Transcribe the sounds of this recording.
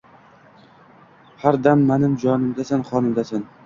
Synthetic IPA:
haɾd̪amːanɪmd͡ʒɒnɪmd̪asanχɒnɪmd̪asan

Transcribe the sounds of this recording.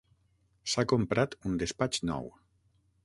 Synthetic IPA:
sakompɾat̪und̪espat͡ʃnɔ̰w

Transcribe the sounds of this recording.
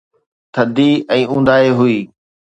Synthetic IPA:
t̪ʰəd̪iɛ̃ːũːn̆d̪aːeɦʊiː

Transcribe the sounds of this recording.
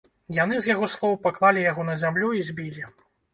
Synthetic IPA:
janɨzjaɣɔslˠɔwwpaklˠalʲijaɣɔnɐzʲamlʲuizʲbʲilʲi

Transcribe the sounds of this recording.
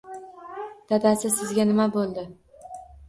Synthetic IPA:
d̪̥ʰad̪asɪzsɪzɡʲanɪmabolˠd̪ɪ

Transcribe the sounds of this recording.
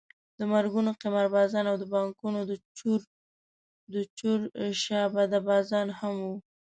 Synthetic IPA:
d̪əmaɾɡunoqɪmaɾbɑzɑnawd̪əbɑŋkunod̪ət͡ʃuɾ | d̪ət͡ʃuɾʃɑbad̪abɑzɑnhamwu

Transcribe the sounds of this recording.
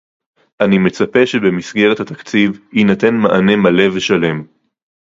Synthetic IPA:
ʔanime̞t͡sape̞ʃebemisɡeʁet̪hat̪akt͡sivhinat̪enmaʔane̞male̞veʃale̞m

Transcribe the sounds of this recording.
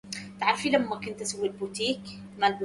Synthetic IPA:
t̪aʕɾˤfilamːækʊnt̪ʔasawːilbut̪iːk | malb

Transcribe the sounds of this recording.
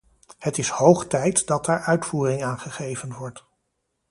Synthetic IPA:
hətɪshowχtɛjtdɑt̚daːɹʔœɥtfuːrɪŋaːnχəχejvənʋɔɹt

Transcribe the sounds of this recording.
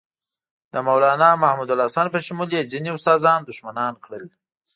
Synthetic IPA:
d̪̥əmawlɑːnɑmahmud̪alɑsɑnpəʃamuljeziniʊst̪ɑzɑnd̪ʊʃmanɑnkɽəl

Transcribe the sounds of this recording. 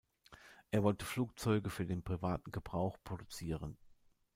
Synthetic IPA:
ʔeːɐvɔltəfluːk̚t͡sɔʏɡəfyːɐdeːnpʁ̥ivaːtn̩ɡəbʁaʊxpʁ̥odut͡siːʁən

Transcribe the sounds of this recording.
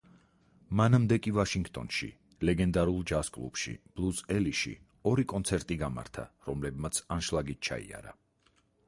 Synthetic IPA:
manamd̪ɛkʼivaʃiŋɡt̪ʼɔ̰nʃḭ | lɛɡɛnd̪aɾulˠd͡ʒaskʼlˠṵpʃḭb̥lˠusɛliʃḭ | ɔɾikʼɔnt̪sʰɛɾt̪ʼiɡama̰ɾt̪ʰa̰ɾɔmlɛbmat̪sʰanʃlˠaɡit̪̚ʰt͡ʃʰa̰ḭa̰ɾa̰

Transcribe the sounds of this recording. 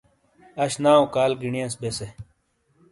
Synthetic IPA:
ɐɕnaːokaːlɡiɳijɐ̃sbese

